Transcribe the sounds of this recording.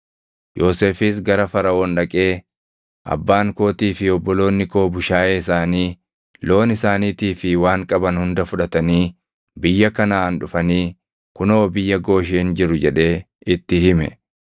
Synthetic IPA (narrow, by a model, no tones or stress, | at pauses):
jo̞ːse̞ːfɪsɡɐɾɐfɐɾɐɔnᶑɐkʼe̞ː | ʔɐ̰bːaːŋko̞ːt̪iːfɪɔbːɔlo̞ːnːɪko̞ːbʊʃaːʔeːɪsaːniː | lo̞ːnɪsaːniːt̪iːfɪwaːŋkʼɐbɐnhʊnd̪ɐfʊᶑɐt̪ɐniː | bɪjːɐkɐnaːɐnᶑʊfɐniː | kʊnoːbɪjːɐɡo̞ːʃehɪnd͡ʒɪɾʊd͡ʒɛᶑe̞ː | ɪt̪ːɪɦɪmɛ̰